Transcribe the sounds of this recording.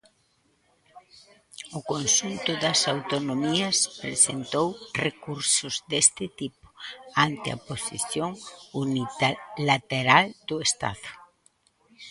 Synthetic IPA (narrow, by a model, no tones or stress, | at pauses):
ʊkonsunt̪ʊðɐsawt̪onomiɐspɾesḛnt̪owrekuɾsʊzd̪est̪ɪt̪ipʊ̥ant̪ɪa̰posḭθjoŋunilat̪eɾald̪ʊest̪a̰ðʊ